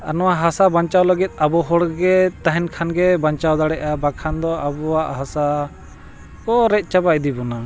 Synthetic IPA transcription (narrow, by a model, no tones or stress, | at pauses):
a̰nɔwaɦasabaɲt͡ʃawləɡit̪̚ˀabɔɦɔɽɡɛt̪aɦɛnkʰanɡɛbaɲt͡ʃawd̪aɽɛʔabakʰand̪ɔabɔwaʔɦasa | kɔɾɛc̪̚ˀt͡ʃabaʔd̪ibɔna